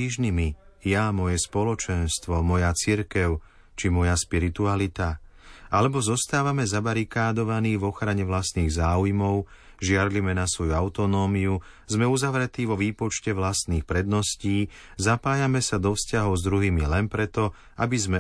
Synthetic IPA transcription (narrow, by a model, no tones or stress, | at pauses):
iʒnimijamɔjɛspɔlɔt͡ʃɛnst̪ʋɔmɔjat͡siɾkɛʊ | t͡ʃimɔjaspiɾit̪ualit̪a | ʔalɛbɔzɔst̪aːʋamɛzabaɾikaːd̪ɔʋaniːvɔxɾaɲɛʋlast̪niːɣzaːujmɔʊ | ʒɪad̪limɛnasʋɔjuaʊt̪ɔnɔːmiu | zmɛuzaʋɾɛt̪iːʋɔʋiːpɔt͡ʃcɛʋlast̪niːxpɾɛd̪nɔsciːzapaːjamɛsad̪ɔfscaɦɔʊzd̪ɾuɦiːmilɛnpɾɛt̪ɔ | abizmɛ